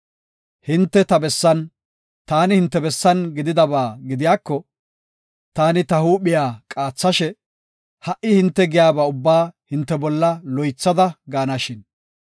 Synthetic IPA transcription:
hɪnt̪ːɛt̪ɐbɛsːɐn | t̪aːnɪhɪnt̪ːɛbɛsːɐnɡɪd̪ɪd̪ɐbaːɡɪd̪ɪjaːkːɔ | t̪aːnɪt̪ɐhuːɓɪjaːkʼaːt͡sːɐʃɛ | hɐʔɪhɪnt̪ːɛɡɪjaːbaʊbːaːhɪnt̪ːɛbɔlːɐlɔjt͡sːɐd̪ɐɡaːnɐʃɪn

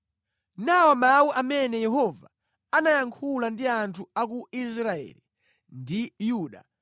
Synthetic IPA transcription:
nawɔmawuʔamɛnɛjɛɦɔva | anajaŋkʰulandiantʰuak̬uisɾaɛ̰li | ndijuːɗa

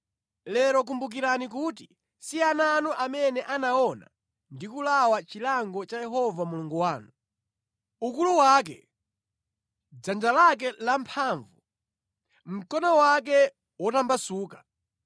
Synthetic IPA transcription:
lɛɾɔk̬umbuk̬iɾanik̬ut̬i | siananɔʔamɛnɛʔanaɔna̰ | ndikulawat͡ʃilaŋɡɔt͡ʃajɛɦɔvamuluŋɡuwaːnu | ukuluwak̬ɛ̰ | d͡zand͡ʒalak̬ɛlampʰaːɱvu | m̩kɔnɔwak̬ɛ | wɔtambasuːkḁ

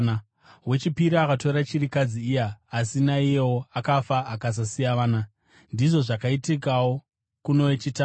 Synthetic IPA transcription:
we̞t͡ʃipiɾiakato̞ɾat͡ʃirikad͡ziːjaːsinaijewoakafaːkas̬asijaʋaːna | ndiʐo̞ʐakaitikawo̞ | kuno̞wet͡ʃita

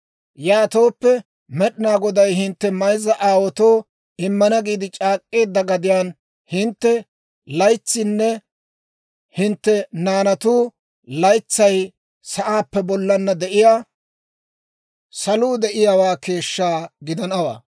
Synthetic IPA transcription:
jaːt̪o̞ːpːɛ | mɛɗɪnaːɡɔd̪ɐjɦɪnt̪ːɛmɐjzɐʔaːwɔt̪oː | ɪmːɐnɐɡiːd̪ɪt͡ʃʼaːkʼːe̞ːd̪ːɐɡɐd̪ɪjaːn | hɪnt̪ːɛ | lɐjt͡sːɪnːɛ | hɪnt̪ːɛnaːnɐt̪uː | lɐjt͡sːɐj | sɐʔaːpːɛbɔlːɐnːɐd̪ɛʔɪjaː | sɐluːd̪ɛʔɪjaːwaːke̞ːʃːaːɡɪd̪ɐnɐwa̰ː

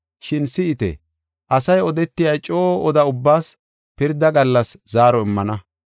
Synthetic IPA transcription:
ʃɪnsɪɪt̪ɛ̰ | ʔɐsɐjɔd̪ɛt̪ːɪjɐjt͡ʃʼoːʔɔd̪ɐʊbːaːs | pɪɾd̪ɐɡɐlːɐszaːɾɔɪmːɐnɐ

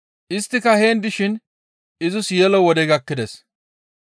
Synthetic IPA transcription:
ʔɪst̪ːɪkɐhe̞ːnd̪ɪʃɪn | ɪzʊsjɛlɔwɔd̪ɛɡɐkːɪd̪ɛs

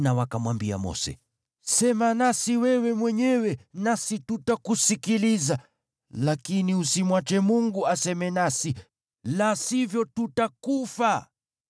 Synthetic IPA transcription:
nawakamwambia̰mɔ̰sɛ̰ | sɛmanasiwɛwɛmwɛɲɛwɛnasitutakusikiliza | lakiniusimwat͡ʃɛmuŋɡuasɛmɛnasi | lasivjɔtutakufa

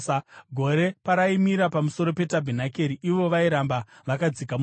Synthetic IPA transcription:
ɡʱo̞ɾe̞paɾaimiɾapamuso̞ɾo̞pe̞tabʱinake̞ɾiʔiʋo̞ʋaiɾamba | ʋakad͡zikam

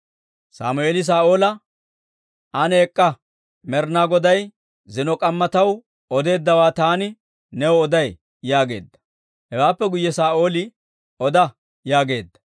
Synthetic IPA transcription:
sa̰ːmʊeːlɪs̬aːʔo̞ːlɐ | ʔɐneːkʼːɐ | mɛɾnaːɡɔd̪ɐj | zɪnɔkʼɐmːɐt̪ɐw | ɔd̪e̞ːd̪ːɐwaːt̪aːnɪ | nɛwɔd̪ɐj | jaːɡe̞̰ːd̪ːɐ̥ | hɛwaːpːɛɡʊjːɛsaːʔo̞ːlɪ | ɔd̪ɐ | jaːɡe̞ːd̪ːɐ̥

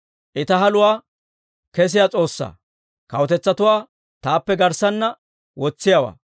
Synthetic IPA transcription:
ʔɪt̪ɐɦɐlʊwaː | kɛs̬ɪjat͡sʼo̞ːsːa̰ː | kɐwɔt̪ɛt͡sːɐt̪ʊwaː | t̪aːpːɛɡɐɾsɐnːɐ | wɔt͡sːɪjawa̰ː

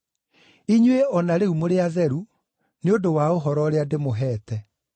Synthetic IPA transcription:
iɲweɔnaɾeumoɾeaðɛɾu | neodowaoɦɔɾɔɾeademoɦɛːtɛ

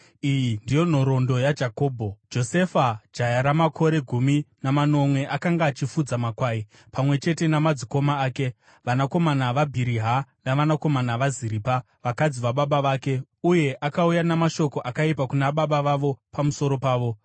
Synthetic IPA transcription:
ijindijo̞n̤o̞ɾo̞ndo̞jad͡ʒako̞ːbʱo̞d͡ʒo̞se̞fad͡ʒajaɾamakʰo̞ɾe̞ɡʱuminamano̞mwe̞ʔakaŋɡaːt͡ʃifud͡zamakwaːi | pamwe̞t͡ʃe̞te̞namad͡ziko̞maːke̞ | ʋanako̞manaʋabʱiɾiɦanaʋanako̞manaʋaziɾiːpa | ʋakad͡ziʋaɓaɓaʋaːke̞ | uje̞ʔakaujanamaʃo̞ko̞ʔakaipakunaɓaɓaʋaʋo̞pamuso̞ɾo̞paːʋo̞

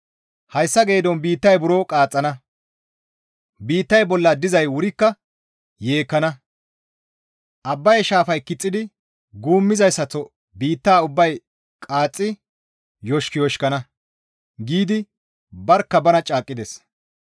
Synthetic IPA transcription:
hɐjsːɐɡe̞ːd̪ɔnbiːt̪ːɐjbʊɾoːkʼaːt͡sʼːɐnɐ | biːt̪ːɐjbɔlːɐd̪ɪzɐjwʊɾɪkːɐ | jeːkːɐnɐ | ʔɐbːɐjʃaːfɐjkɪt͡sʼːɪd̪ɪ | ɡuːmːɪzɐjsːɐt͡sːɔ | biːt̪ːaːʊbːɐj | kʼaːt͡sʼːɪ | jɔʃkɪjɔʃkɐnɐ | ɡiːd̪ɪ | bɐɾkːɐbɐnɐt͡ʃʼaːkʼːɪd̪ɛs

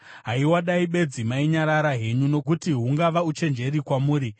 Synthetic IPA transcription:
ɦaiwaɗaiɓe̞d͡zimaiɲaɾaɾaɦe̞ɲuno̞k̬utiɦuŋɡaʋaut͡ʃe̞nd͡ʒe̞ɾikwamuːɾi

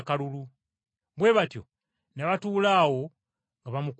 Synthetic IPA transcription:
kalulu | βwe̞βatjo̞̰ | neβatuːlaːwo̞ | ŋɡaβamuk

